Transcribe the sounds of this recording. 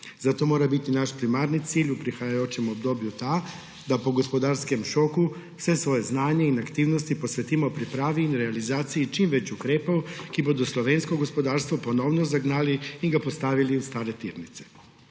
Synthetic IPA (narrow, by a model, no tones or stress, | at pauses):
zat̪o̞mo̞ːɾabit̪inaʃpɾimaɾnit̪siːʎupɾixajajoːt͡ɕemo̞bd̪o̞ːbʎut̪a | d̪apoɡo̞spo̞d̪aɾske̞mʃo̞ku | sʋe̞sʋo̞je̞znaːɲeinakt̪iːʋnost̪ipo̞sʋet̪imaopɾipɾaːʋinɾealizaːt̪sijit͡ʃiːmʋe̞t͡ɕukɾeːpaokibud̪uslˠo̞ʋe̞nsko̞ɡo̞spo̞d̪aːɾst̪ʋopo̞noʋnozaɡnaːliːɡapo̞st̪aʋiliust̪aːɾe̞t̪iːɾnit̪se̥